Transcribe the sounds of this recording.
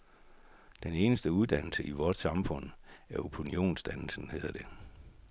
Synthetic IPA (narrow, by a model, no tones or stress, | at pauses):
d̥ene̝ːnəsd̥əuð̞ˠd̥ænl̩səʔiʋɒːd̥sɑ̈mfɔ̽n̰æɐopʰunio̝̰ːnsd̥ænl̩sn̩he̝ːð̞ˠɐd̥e̝